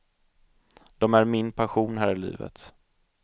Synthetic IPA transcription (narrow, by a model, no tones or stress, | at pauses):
d̪̥ɔmæɾmɪnpʰaɧuːnɦæːɾɪlḭːvə̰t̪